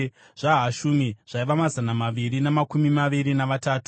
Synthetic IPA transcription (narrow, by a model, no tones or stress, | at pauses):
ʐ̥aɦaʃumiʐ̥aiʋamazanamaʋirinamakumimaʋiɾinaʋataːtu̥